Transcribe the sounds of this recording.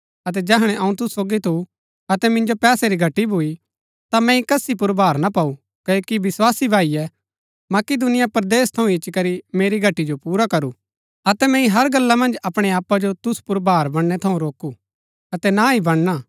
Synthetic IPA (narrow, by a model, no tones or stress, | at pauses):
ɐt̪ɛd͡ʒɛːɦəɽ̃ɛ̃ʔɐũt̪ʊsːoːɡit̪ʰu | ɐt̪ɛmɪ̃nd͡ʒopɛːsɛɾiɡʱɐʈːibʱui | t̪amɛ̃ĩkɐsip̬ʊɾbʱaːɾnapau | kɐokiʋɪswaːsibʱaːijɛ | mɐkɪd̪ʊnɪjapɾd̪eːst̪ʰɐũɪt͡ʃːkɐɾimeːɾiɡʱɐʈːid͡ʒopuːɾakɐɾu | ɐt̪ɛmɛ̃ĩɦɐɾɡɐlːamɐ̃nd͡ʒɐpɽ̃eaːpːad͡ʒot̪ʊspʊɾbʱaːɾbɐɽ̃nɛt̪ʰɐũɾoːku | ɐt̪ɛnaɦibɐɽ̃na